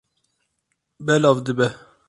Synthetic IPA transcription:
bɛlɑvd̪ɨbɛ

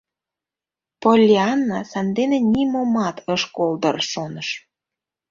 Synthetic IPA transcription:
polʲːeɑnːɑsɑnd̪enenʲimomɑt̪ʰəʃkold̪ərʃonəʃ

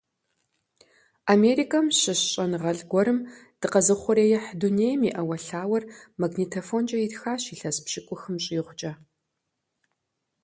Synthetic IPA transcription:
ameːɾikʰɐmɕɪɕɕʼɐnʁɐɮɡʷɔɾɨm | d̥ɨqɐzɨχʷɔɾeːjɛħduneːjmiʔɐwɐɬaːwɐrmaɡnitʰofond͡ʒʼɐitxaːɕiːɬɐspɕɪkʷʼʊxɨmɕʼiːʁʷʊt͡ʃʼɐ

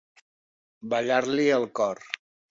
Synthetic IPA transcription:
bəʎaɾliəlˠkɔr

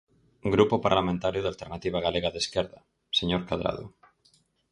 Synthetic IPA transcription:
ɡɾupopa̰ɾlamẽnt̪aɾjoðalt̪eɾnat̪iβ̞aɣaleɣaðeskeɾða | seɲoɾkað̞ɾa̰ð̞o̰

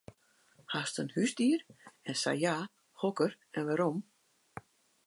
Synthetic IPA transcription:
hastənhysdiərɛnsa̰jja | hokər | ɛnʋaɾom

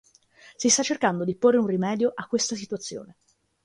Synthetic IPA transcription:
sist̪at͡ʃːerkand̪od̪iporːeunrimɛːd̪joʔakːwest̪asit̪uat̪sːjo̰ːne

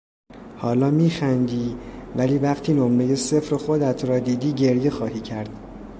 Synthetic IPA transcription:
hɒːlɒːmiːxænd̪iːvæliːvæɢt̪ʰiːnomɾe̞je̞se̞fɾexod̪æt̪ʰɾɒːd̪iːd̪iːɟe̞ɾje̞xɒːhiːcʰæɾd̪̥

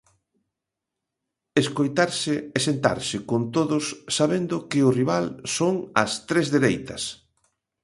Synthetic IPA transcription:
eskojt̪aɾsɪɛsent̪a̰ɾsɪkont̪oðʊsːaβend̪ʊkɪʊriβ̞alsoŋɐst̪ɾezðeɾejt̪ɐ̰s

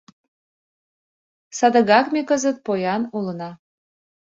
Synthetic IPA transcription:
sɑd̪ə̆ɣɑkmekəzət̪̚pojɑnulənɑ

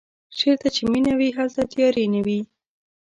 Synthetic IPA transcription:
ʃeɾt̪at͡ʃeminawiɦalt̪at̪jɑɾenawi

